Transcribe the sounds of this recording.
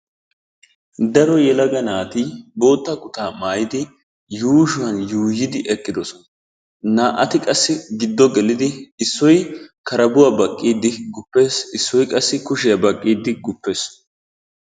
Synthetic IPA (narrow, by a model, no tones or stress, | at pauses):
d̪ɐɾɔjɛlɐɡɐnaːt̪iːbo̞ːt̪ːɐkʊt̪aːmaːjɪd̪ɪ | juːʃʊwɐnjuːjɪd̪ɪʔɛkʼːɪd̪ɔsɔnɐ | naːʔɐt̪ɪkʼɐsːɪɡɪd̪ːɔɡɛlɪd̪ɪɪsːɔjkɐɾɐbʊwaːbɐkʼːiːd̪ɪɡʊpːe̞ːsɪsːɔjkʼɐsːɪkʊʃɪjɐbɐkʼːiːd̪ɪɡʊpːe̞ːs